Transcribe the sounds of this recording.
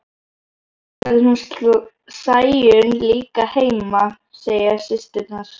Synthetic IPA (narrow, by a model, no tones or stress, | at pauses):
aðɪunst̪lɔ | saːjʏnliːkaheːjma | seːjasɪst̪ɪt̪naɾ̥